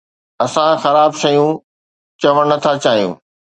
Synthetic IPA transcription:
ɐsãxɐɾaːbʃɐjũ | t͡ɕɐʋəɽ̃nɐt̪ʰat͡ɕaːɦijṵ̃ː

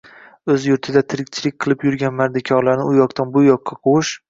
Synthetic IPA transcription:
ɵzjʊɾt̪ʰɪd̪at̪ʰɪɾɪk̚ʲt͡ʃʰɪlɪkʲqʰɨlˠɪpjʊɾɡʲanmaɾd̪ɪkʲʰɒɾlaɾnɪʊjɒqt̪ʰanbʊjɒqʰːɑqʰoʃ

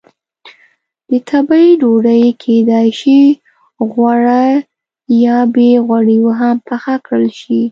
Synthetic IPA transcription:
d̪̥ət̪ʰabaiɖoɖəjkʰed̪ɑjʃi | ɣwaɽa | jɑbeɣwaɽiwoɦampaxakɽəlʃi

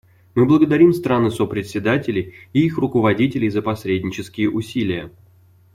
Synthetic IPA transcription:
mɨblˠəɡəd̪ɐɾʲimst̪ɾanɨsopɾʲɪt̪sʲɪd̪atʲɪlʲɪjiixrʊkəvɐdʲitʲɪlʲɪjzəpɐsʲɾʲedʲnʲɪt͡ɕɪskʲɪjəʔʊsʲilʲɪjə

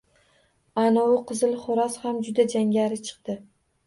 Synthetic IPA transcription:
anɒʊqʰɨzɪlχʊɾashamd͡ʒʊd̪ad͡ʒaŋɡʲaɾɪt͡ʃʰɨ̥qt̪ɪ

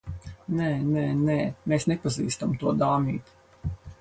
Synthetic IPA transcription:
nɛːnɛːnɛːmeːsnepazḭːst̪amt̪uɔd̪aːmʲiːt̪

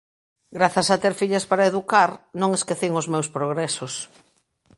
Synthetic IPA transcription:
ɡɾaθasat̪eɾfiʎaspaɾaeðukaɾnõŋeskeθiŋozmewspɾoɣɾɛsos

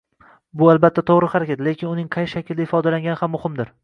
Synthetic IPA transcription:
bʊalˠbat̪ʰːat̪ʰoʁɾɪhaɾakʲat̪lekʲɪnʊnɪŋqʰɑjʃakʲɪld̪aɪfɒd̪alaŋɡʲanɪhamːʊhɪmd̪ɪɾ

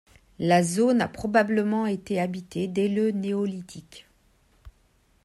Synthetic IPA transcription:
lazonapχɔbabləmɑ̃et̪eabit̪ed̪ɛləneɔlit̪ʰik

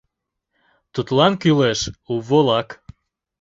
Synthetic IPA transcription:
t̪ut̪lɑnkyleʃuβolɑk

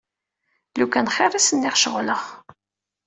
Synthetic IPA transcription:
lukːænχerˤæsənːɪʁʃəʁləχ

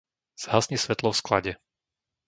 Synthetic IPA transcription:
z̥ɦasɲisʋɛt̪lɔfskla̰ɟɛ

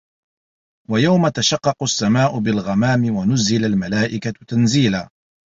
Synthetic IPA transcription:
wajawmat̪aʃɑqːɑqʊsːamaːʔʊbɪlɣamaːmɪwanʊzɪlalmalaːʔɪkat̪anziːlaː

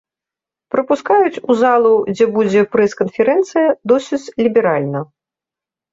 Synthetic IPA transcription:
pɾɐpuskajut͡sʲuzalˠud͡zʲɛbud͡zʲɛpɾɛskɐnfʲɛɾɛnt̪sɨjɐd̪ɔsʲɨt͡sʲlʲibʲɛɾalʲnɐ

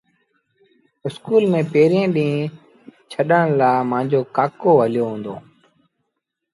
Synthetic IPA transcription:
ɪskuːlmẽːpeːɾijẽːɗĩː | t͡ʃʰəɗəɽ̃laːmãːɲd͡ʑoːkaːkoːɦəlɪjoːɦũːnd̪o̰ː

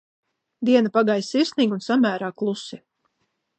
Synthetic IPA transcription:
d̪iɛnapaɡajsiɾsniːɡunsamæːɾaːklˠusi

